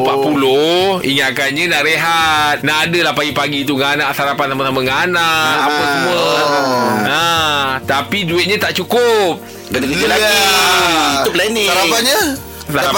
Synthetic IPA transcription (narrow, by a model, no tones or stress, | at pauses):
paʔpuloḭŋaʔkanɲə̃naʔɾeɦat̪̚naʔːdəlahpaɡipaɡit̪uŋanaʔsaɾapansamasamaŋanaʔʔapəsəmuə | nat̪apiduɪt̪̚ɲãt̪aʔt͡ʃukʊp̚ | kənakla | it̪uplɛnĩaɾapanɲə | sa